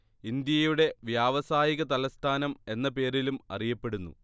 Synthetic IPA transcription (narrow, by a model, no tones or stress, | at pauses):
ind̪jɐjuɽe̞ʋjaːʋɐsaːjiɣɐt̪ɐlɐst̪ʰaːnɐme̞nːɐpe̞ːɾilumɐ̰rijɐpːe̞ɽunːṵ